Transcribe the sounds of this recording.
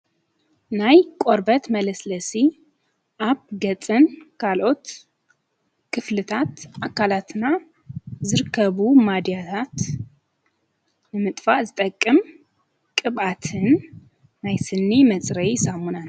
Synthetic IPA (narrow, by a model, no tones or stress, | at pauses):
najkʷʼo̞ɾbət̪mɐləsləsi | ʔaβɡɐt͡sʼɨnkʰalʔo̞t̪ | kʰɨflɨt̪ʰat̪ʔakʰalat̪ʰɨnːa | zɨɾkʰːəβumad̪ijat̪ʰat̪ | nɨmɨt̪ʼfaʔzɨt̪ʼəkʼːɨm | kʼɨβat̪ʰɨnː | ajsɨnːimɐt͡sʼɾɐjsamunal